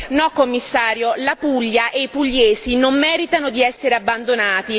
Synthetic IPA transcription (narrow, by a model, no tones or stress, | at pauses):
nɔkːomːisːaːɾjolapuʎːaʔeipuʎːeːsinomːɛːɾit̪anod̪iɛsːeɾeabːand̪onaːt̪i